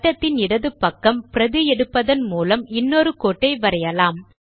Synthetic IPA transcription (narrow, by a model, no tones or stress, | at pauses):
ʈːɐt̪ːɪnɪɽɐðɯpːɐkːɐmpɪɾɐðɯjɛɽɯpːɐðɐnmuːlɐmɪnːoːɾɯkoːʈːɐɪʋɐɾɐjɐlaːm